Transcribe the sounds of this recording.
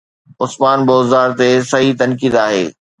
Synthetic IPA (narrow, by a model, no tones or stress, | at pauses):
ʊsmaːnboːzaːɾt̪esɐɦit̪ɐnkiːd̪aːɦḛː